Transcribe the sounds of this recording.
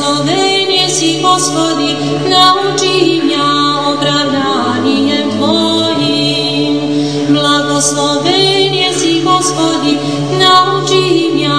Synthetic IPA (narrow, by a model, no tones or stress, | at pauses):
lɔvɛ | ɲjɛsiɣɔspɔd̪i | naut͡ʃiɦimja | ɔpɾawd̪a | ɲijɛmd̪vɔ | ɦi | m | blaɡɔslɔvɛɲɛsiɡɔspɔd̪i | naut͡ʃiimja